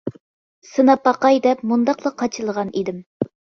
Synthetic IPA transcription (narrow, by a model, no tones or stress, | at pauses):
sɨnɑpɑqɑjd̪ɛpmund̪ɑqlˠɑqʰːɑt͡ʃʰɨlˠəʁɑnʔid̪ɪm